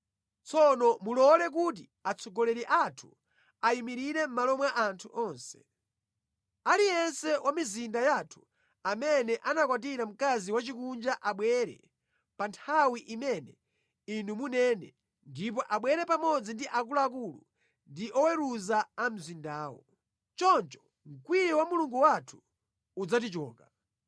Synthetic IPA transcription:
t͡sɔnɔmulɔlɛk̬ut̬i | at͡sʰɔɡɔlɛɾiʔatʰu̥ | aimiɾiɾɛm̩malɔmwaʔantʰuʔɔːnsɛ̥ | alijɛnsɛwʔamizindajatʰu̥ | amɛnɛʔanakwat̬iɾam̩kaziwat͡ʃikund͡ʒaʔaɓwɛɾɛ̰ | pantʰawiʔimɛnɛ | inumunɛːnɛ | ndip̬ɔʔaɓwɛɾɛpamɔd͡zindiʔak̬ulaak̬ulṵ | ndiʔɔwɛɾuzaam̩zindaːwɔ̰ | t͡ʃɔnt͡ʃɔ̥ | ŋ̩kwijɔwamuluŋɡuwatʰu̥ː | d͡zat̬it͡ʃɔːka

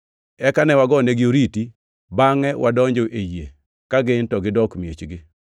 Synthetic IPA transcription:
ɛkanɛwaɡɔneɡɪoɾiti | baŋɛwʔadɔɲd͡ʒoʔeje | kaɡɪntɔɡɪdɔkmjet͡ʃɡɪ

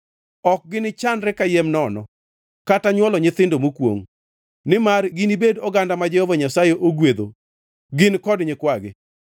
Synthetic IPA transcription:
ɔk̚ɡɪnɪt͡ʃanɾɛkajemnɔnɔ | kataɲwɔlɔɲɪt̪ɪndomukwo̰ŋ | nɪmarɡɪnibedɔɡandamad͡ʒɛhovaɲasajeʔoɡwed̪o̰ | ɡɪnkɔdɲɪkwaɡɪ

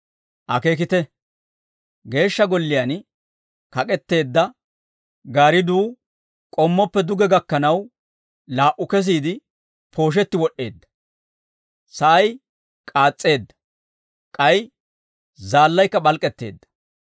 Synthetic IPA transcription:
ʔɐke̞ːk̬ɪt̪ɛ | ɡe̞ːʃːɐɡɔlːɪjan | kɐkʼɛt̪ːe̞ːd̪ːɐ | ɡaːɾɪd̪uː | kʼɔmːɔpːɛd̪ʊɡɛɡɐkːɐnɐw | laːʔʊkɛs̬iːd̪ɪ | pʰo̞ːʃ̬ɛt̪ːɪwɔɗːe̞̰ːd̪ːɐ̥ | sɐʔɐj | kʼaːt͡sʼːe̞ːd̪ːɐ̥ | kʼɐj | zaːlːɐjkːɐbɐlkʼɛt̪ːe̞̰ːd̪ːɐ̥

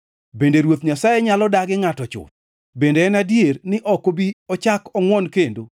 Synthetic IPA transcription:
bendeɾwot̪ɲasajeɲalɔdaɡɪŋatɔt͡ʃʊ̰t̪̚ | bendeɛnadjernɪʔɔkobiɔt͡ʃakɔŋwɔnkendo

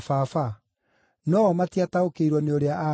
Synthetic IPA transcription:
faːfa | nɔɔmatiataokeiɾwɔneoɾeaʔa

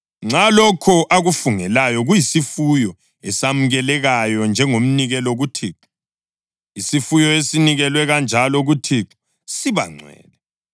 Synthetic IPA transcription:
ŋ͡ǀalɔkʰɔʔaɣufuŋɛlajɔɣujisifujɔ | ɛsam̩ɣɛlɛɣajɔnd͡ʒʱɛŋom̩niɣɛloɣutʰiːǁu̥ | isifujɔesiniɣɛlwɛɣand͡ʒʱalɔɣutʰiǁu̥ | siβa̰ŋ͡ǀʱwɛ̰ːlɛ

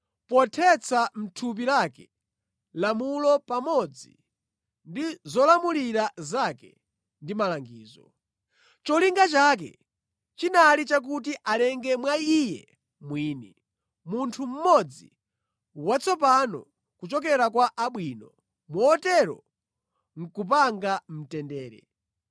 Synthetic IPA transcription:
pɔtʰɛt͡sʰam̩tʰup̬ilakɛ | lamulɔpamɔd͡zi | ndizɔlamuliɾazakɛ | ndimalaŋɡiːzɔ | t͡ʃɔliŋɡat͡ʃak̬ɛ̰ | t͡ʃinalit͡ʃak̬ut̬iʔalɛŋɡɛmwaijɛ̰ | mwiːni | muntʰum̩mɔd͡zi | wat͡sʰɔp̬anɔ̰ | kut͡ʃɔk̬ɛɾakwaʔaɓwiːnɔ | mɔːtɛɾɔ̰ | ŋ̩kup̬aŋɡam̩tɛndɛːɾɛ̰

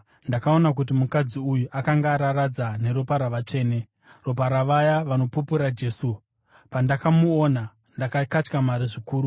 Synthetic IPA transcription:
ndakao̞nak̬ut̬imukad͡ziujuʔakaŋɡaːɾaɾad͡zane̞ɾo̞paɾaʋat͡ʂe̞ːne̞ | ro̞p̬aɾaʋajaʋano̞pupuɾad͡ʒe̞ːsu | pandakamuona | ndakakat͡ʃkamaɾiʐikuːɾu

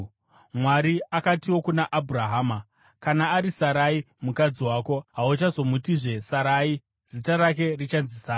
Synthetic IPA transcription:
mwaɾiakatiwo̞kunaʔabʱuraɦaːma | kanaːɾisaɾai | mukad͡ziwaːko̞ɦaut͡ʃazo̞mutiʐe̞saɾaːi | z̥itaɾak̬e̞rit͡ʃanzisaːna

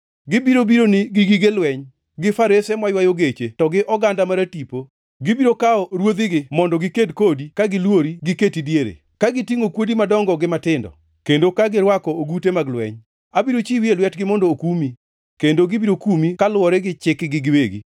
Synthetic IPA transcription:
ɡɪbiɾobiɾonɪɡɪɡiɡelwɛɲ | ɡɪfaɾesɛmwajwajoɡet͡ʃetɔɡɪʔɔɡandamaɾatipo | ɡɪbiɾokaɔɾwod̪ɪɡɪmɔndɔɡɪkedkodikaɡɪlwoɾiɡɪketidjeɾḛ | kaɡɪtiŋokwodimadɔŋɡɔɡɪmatɪndɔ̰ | kendokaɡɪɾwakɔoɡutemaɡlwɛ̰ɲ | abiɾot͡ʃiwielwɛtɡɪmɔndɔːkumi | kendoɡɪbiɾokumikalwɔɾɛɡɪt͡ʃɪkɡɪɡɪweɡḭ

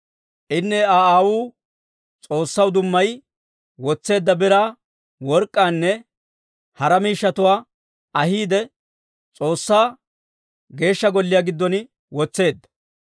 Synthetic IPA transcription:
ʔɪnːɛaaːwuː | t͡sʼo̞ːsːɐwd̪ʊmːɐj | wɔt͡sːe̞ːd̪ːɐbɪɾaː | wɔɾkʼːaːnːɛ | hɐɾɐmiːʃːɐt̪ʊwaː | ɐɦiːd̪ɛ | t͡sʼo̞ːsːaː | ɡe̞ːʃːɐɡɔlːɪjaːɡɪd̪ːɔnɪ | wɔt͡sːe̞ːd̪ːɐ̥

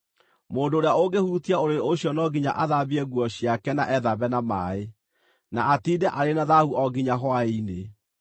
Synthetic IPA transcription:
moːndoːɾeaoɡehuːtiaoɾeɾoɕjɔnɔɡiɲa̰ʔaðabiɛɣwɔɕjakɛna̰ʔɛðaβɛnama̰e | naatiːdɛʔaɾenaðahuʔɔɡiɲaɦwaine

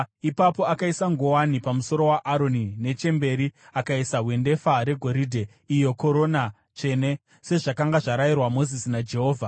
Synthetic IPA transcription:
ipapo̞akaisaŋɡo̞wanipamuso̞ɾo̞waʔaɾo̞nine̞t͡ʃe̞mbe̞ɾiakaisaɦwe̞nde̞faɾe̞ɡʱo̞ɾidʱe̞ | ijo̞ko̞ɾo̞na | t͡ʃe̞ne̞ | se̞ʐakaŋɡaʐaɾajirwamo̞zisinad͡ʒe̞ɦo̞ːvʱa

